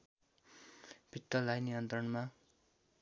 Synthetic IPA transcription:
b̥ʱit̪ːʌlajnijʌnt̪rʌnma

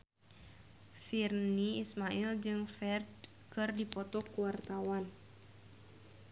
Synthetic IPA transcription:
firniismaild͡ʒɨŋfɛrd | kɨrdipɔt̪ɔkuwart̪awan

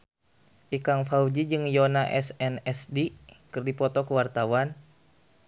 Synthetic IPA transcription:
ʔikaŋfaud͡ʒid͡ʒɨŋjɔnaʔɛsɛnɛsdikɨrdipɔt̪ɔkuwart̪awan

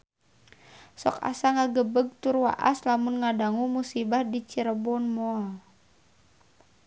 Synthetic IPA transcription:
sɔ̰ka̰saŋaɡəbəɡ̚t̪urwa̰ʔa̰slamunŋadaŋumusibahdit͡ʃiɾəbɔnmoa

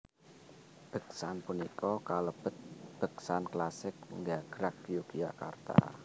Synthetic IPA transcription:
b̥ə̤ksanpunikɔkaləb̥ə̤t̪̚b̥ə̤ksanklasɪk̚ŋɡaɡ̥ɾak̚jukiaka̰rt̪a̰

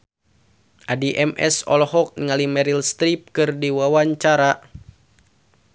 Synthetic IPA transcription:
ʔadiʔɛmʔɛ̰sɔ̰lhɔk̚nŋalimɛɾilst̪ɾip̚kɨrdiwawaɲt͡ʃaɾa

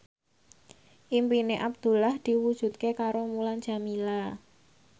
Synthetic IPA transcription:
ʔimpineʔab̚d̪̥ṳlahd̪̥i̤wud̥ʒ̥ṳt̪̚kekaɾomuland͡ʒ̥a̤mila

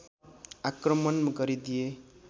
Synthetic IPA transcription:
akrʌmʌnmɡʌɾid̪ije

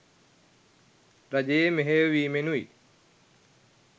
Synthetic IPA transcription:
ɾɐʄeːmeɦeʋiːmenuḭː

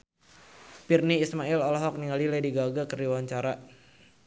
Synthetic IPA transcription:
pirniːsmailɔlɔɦɔk̚niŋalilediɡaɡakərdiwaɲt͡ʃaɾa

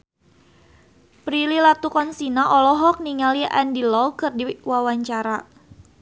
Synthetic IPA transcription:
pɾililat̪ukɔnsinaʔɔlɔɦɔk̚niŋaliʔandilɔkɨrdiwawaɲt͡ʃaɾa

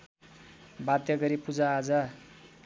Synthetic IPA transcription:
bad̪jʌɡʌɾipud͡zaːd͡za

